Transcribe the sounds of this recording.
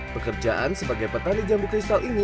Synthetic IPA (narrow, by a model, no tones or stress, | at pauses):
pəkərd͡ʒaʔansəbaɡajpət̪anid͡ʒambukɾist̪alʔini